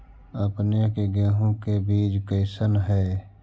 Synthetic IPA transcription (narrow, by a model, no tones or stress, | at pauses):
əpnekeɡeːɦõkebiːd͡ʒkəɪsənɦɛː